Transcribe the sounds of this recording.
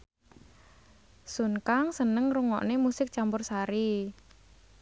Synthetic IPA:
sunkaŋsənəŋruŋɔ̰ʔnemusɪk̚t͡ʃambʊrsaɾi

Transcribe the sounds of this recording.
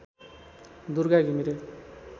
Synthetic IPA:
d̪uɾɡaɡimiɾe

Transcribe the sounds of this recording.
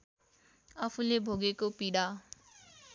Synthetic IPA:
ʌpʰũlebʱoɡekopiɽa

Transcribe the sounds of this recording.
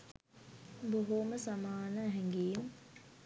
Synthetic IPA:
boɦoməsamaːnəɦɛŋɡeːm

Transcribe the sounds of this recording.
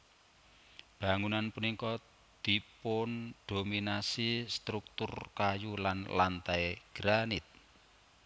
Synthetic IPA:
b̥a̤ŋunanpunikɔ | d̪̥i̤pʊnd̪̥o̤minasist̪ɾuk̚t̪ʊrkajulanlant̪aeɡ̥ɾanɪt̪̚

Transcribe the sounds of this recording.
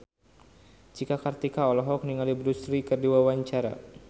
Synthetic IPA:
d͡ʒikakart̪ikaɔlɔɦɔk̚niŋalibɾust̪ɾikɨrdiwawaɲt͡ʃaɾa̰

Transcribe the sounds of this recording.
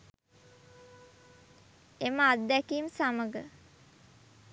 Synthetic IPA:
eməad̪ːækiːmsaməɡə

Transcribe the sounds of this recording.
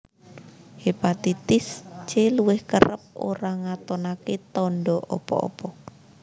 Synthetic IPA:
hepat̪it̪ɪst͡ʃeluwɪhkə̰ɾəp̚o̰ɾaŋat̪ɔnaket̪ɔɳɖɔʔɔ̰pɔ̰ɔ̰pɔ

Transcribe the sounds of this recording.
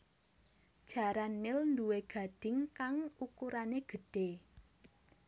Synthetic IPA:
d̥ʒ̥a̤ɾanːɪlnd̪uweɡ̥a̤d̥ɪ̤ŋkaŋukuɾaneɡ̥ə̤ɖ̥e

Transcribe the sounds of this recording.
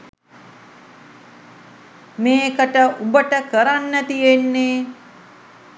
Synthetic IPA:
meːkəʈəʔubəʈəkəɾanːət̪ijenːe

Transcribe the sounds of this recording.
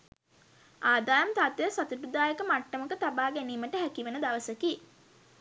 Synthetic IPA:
aːd̪aːjəmt̪at̪ejəsat̪upɾud̪aːjəkəmaʈːəməkət̪abaːɡæniːməʈəɦækiʋenəd̪aʋəsəki

